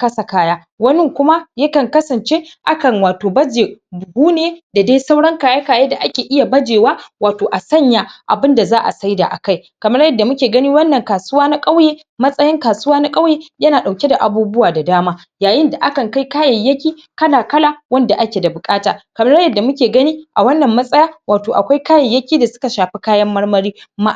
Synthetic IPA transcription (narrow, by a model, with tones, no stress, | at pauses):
kɐ˦sɐ˨kaː˦jaː˦ | wɐ˦nɪ˦ŋkʷʊ˦ma˦jɐ˦kɐ˨ŋkɐ˦sɐ˨nt͡ʃe˦ʔa˦kɐ˨ŋwaː˨toː˨bɐ˦d͡ʒeː˨bʊ˨ɡʷuː˦neː˦da˨da˦jsa˦wɽɐ˦ŋkaː˨ja˦kaː˨ja˦da˨ʔa˦kʲeː˨ʔɪ˦ja˨bɐ˦d͡ʒeː˨waː˦waː˨toː˨ʔa˨sɐ˦ɲja˨ʔa̰˨bɪ˦nda˨zaː˦ʔa̰˨sa˦jda̰˨ʔa̰˨ka˦jkɐ˨mɐ˦jɐ˦dːa˨mʊ˦kʲeː˨ɡɐ˦niː˦wɐ˦nːɐ˨ŋkaː˨sʊ˦waː˦na˦kʼa˦wjeː˦ | mɐ˦sʼɐ˦jɪ˦ŋkaː˨sʊ˦waː˦na˦kʼa˦wjeː˦jɐ˦naː˨ɗa˨wkʲe˦da˨ʔa˨buː˦bʊ˦waː˨da˨daː˦maː˦ | jaː˨jɪ˦nda˨ʔa˦kɐ˨ŋka˦jkaː˦jɐ˨jːɐ˦kʲiː˦ | kɐ˦laː˨kɐ˦laː˨wɐ˦nda˨ʔa˦kʲe˨da˨bʊ˨kʼaː˦ta̰ː˨kɐ˨mɐ˦ɽjɐ˦˨dːa˨mʊ˦kʲeː˨ɡɐ˦niː˦ʔa˨wɐ˦nːɐ˨mːɐ˦sʼɐ˦jaː˦waː˨toː˨ʔa̰˨kʷa˦jkaː˦jɐ˨jːɐ˦kʲiː˦da˨sʊ̥˦ka˨ʃaː˨ɸi˦kaː˦jɐ˦mːɐ˦ɽmɐ˦ɽiː˦ma̰˦